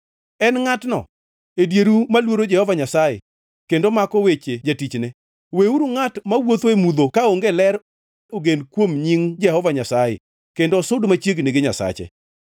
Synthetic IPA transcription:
ɛnŋatnɔ̰ | edjeɾumalwoɾod͡ʒɛhɔvaɲasajḛ | kendomakɔwet͡ʃed͡ʒatit͡ʃnɛ | weuɾuŋatmawot̪oemud̪okaoŋɡelɛɾ | oɡenkwomɲiŋd͡ʒɛhɔvaɲasajḛ | kendosʊdmat͡ʃjeɡneɡɪɲa̰sa̰t͡ʃɛ̰

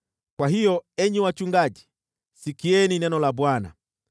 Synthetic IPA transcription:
kwaɦijɔɛɲiwat͡ʃuŋɡad͡ʒi̥ | sikiɛninɛnɔlabwana̰

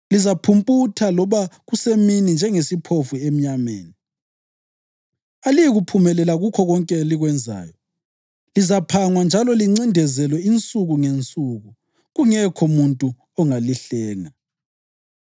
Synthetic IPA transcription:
lizapʰumpʼutʰalɔβaɣuseminind͡ʒʱɛŋesipʰofuem̩ɲamḛːni | alijiɣupʰumɛlɛlaɣukʰɔɣɔŋkʼɛliɣwɛnd͡zʱa̰ːjɔ | lizapʰaŋwand͡ʒʱalɔliŋ͡ǀindʱɛzɛlwɛint͡sʼuɣuŋent͡sʼuːɣu | ɣuŋɛkʰɔmuntʼu | ɔŋaliɬɛːŋa

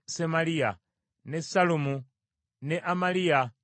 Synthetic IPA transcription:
semalia | nesalumu | nɛʔamalia

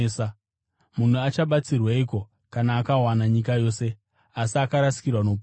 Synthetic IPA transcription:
sa | mun̤uat͡ʃaɓat͡sirwaiːko̞ | kanaːkawanaɲikajo̞se̞ | asiakaɾasi̥kirwanop

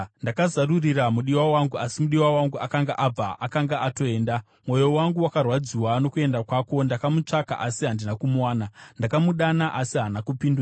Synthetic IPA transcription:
ndakazaruriramuɗiwawaŋɡuʔasimuɗiwawaŋɡuakaŋɡaʔab͡vaʔakaŋɡaʔato̞eːnda | mwo̞jo̞waŋɡuwakarwad͡ziwano̞kue̞ndakwako̞ndakamut͡ʂaka̰ʔasiɦandinakumuwaːnandakamuɗanaʔasiɦanakupindura

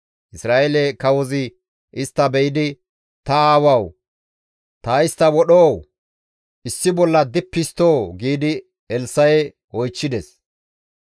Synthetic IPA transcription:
ʔɪsɾaːelɛkɐwɔzɪ | ʔɪst̪ːɐbɛjɪd̪ɪ | t̪ɐaːwɐw | t̪aːɪst̪ːɐwɔɗoːw | ʔɪsːɪbɔlːɐd̪ɪpːɪst̪oːɡiːd̪ɪ | ɛlsːɐjɛ | wɔjt͡ʃːɪd̪ɛs

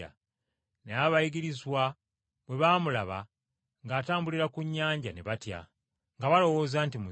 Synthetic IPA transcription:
a̰ | neaβajiɡiɾizwa | bwe̞βaːmulaβa̰ | ŋɡaːtaːmbuliɾakuɲːaːɲɟa̰ne̞̰βatja̰ | ŋɡaβalo̞wo̞ːzaːntimu

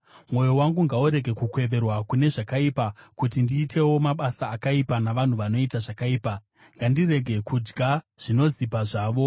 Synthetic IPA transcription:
mwo̞jo̞waŋɡuŋɡauɾe̞ɡʱekukwe̞ʋe̞rwakune̞ʐakaipakutindiːtʰe̞wo̞maɓasaːkaipanaʋan̤uʋano̞itaʐakaiːpa | ŋɡandire̞ɡʱe̞kʰud͡ʒɡʱa | ʐ̥ino̞zipaʐaːʋo̞

